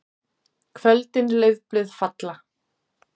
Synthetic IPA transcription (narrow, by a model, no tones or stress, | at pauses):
kʰvœlt̪ɪnleɥðplʏðfat̪la